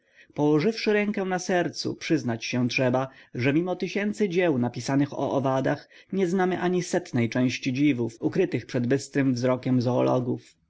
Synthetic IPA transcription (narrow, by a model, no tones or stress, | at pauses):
pɔwɔʐɘfʂɘɾɛŋkɛw̃nasɛɾt̪sṵpʂɘznat͡ɕɕɛtʂɛbaʐɛmʲimɔt̪ɘɕɛnt̪sɘd͡ʑɛwnapʲisanɘxɔ̰ʔɔvad̪ax | ɲɛznamɘʔaɲisɛt̪nɛjt͡ʂɛ̃w̃ɕt͡ɕid͡ʑivufukɾɘt̪ɘxpʂɛd̪bɘst̪ɾɘmvzɾɔkʲɛmzɔɔlɔ̰ɡuf